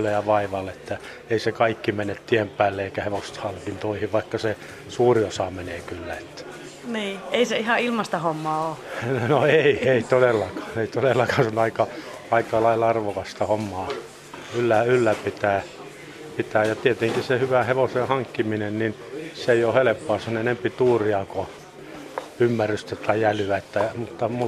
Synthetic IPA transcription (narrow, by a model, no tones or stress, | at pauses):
lːejɑʋɑiʋɑlːeet̪ːæ | eisekɑikːimenːet̪t̪iempæːlːeeikæheʋost̪hɑŋkint̪oihiʋʋɑikːɑse | suːriosɑːmeneːkylːæet̪ːæ̥ | niːeiseihɑilmɑst̪ɑhomːɑːoːnoeieit̪odelːɑkɑ̥ːneit̪odelːɑkɑːnsonɑikɑ | ɑikɑlɑilɑrʋokɑst̪ɑhomːɑː | ylːæylːæpit̪æː | pit̪æːjɑt̪iet̪eŋkisehyʋæheʋosehɑŋkːiminennin | seeijohelepːoɑsenenempit̪uːriɑko | ymːæryst̪æt̪ɑiælyæet̪ːæmut̪ːɑmu